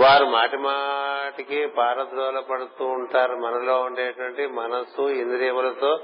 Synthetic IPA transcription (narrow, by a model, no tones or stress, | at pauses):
ʋaːɾumaːʈimaːʈikibʱaːɾɐt̪ɾoːlɐpɐɽut̪uːɳʈaːɾumɐnɐloːuɳʈeːjɐʈʋɐɳʈimɐnɐsuind̪uɾiːʋɐlɐt̪oː